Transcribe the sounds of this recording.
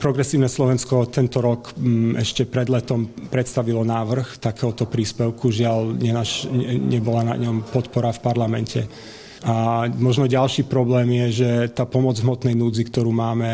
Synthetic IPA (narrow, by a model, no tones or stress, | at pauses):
pɾɔɡɾɛsiːʊnɛslɔʋɛnskɔt̪ɛnt̪ɔɾɔkɛ̰ʃcɛpɾɛd̪lɛt̪ɔmpɾɛt̪st̪aʋilɔnaːʋr̩xt̪akɛːɦɔt̪ɔpɾiːspɛʊkuʒɪalɲɛnaʃɛɲɛbɔlana̰ɲɔmpɔt̪pɔɾafpaɾlamɛncʰɛ̰ | ʔamɔʒnɔɟalʃiːpɾɔblɛːmjɛʒɛt̪aːpɔmɔd͡zɦmɔt̪nɛjnuːd͡zikt̪ɔɾuːmaːmɛ